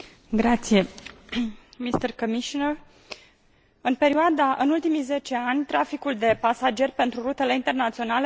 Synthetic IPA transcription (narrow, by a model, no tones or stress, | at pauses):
ɡɾat̪sije̞ | mist̪ərkomiʃonər | ɨnpe̞ɾioad̪aʔɨnult̪imijze̞t͡ʃe̞anʲt̪ɾafikuld̪e̞pasad͡ʒe̞rʲpe̞nt̪ɾuɾut̪ele̞int̪e̞rnat̪sio̞nale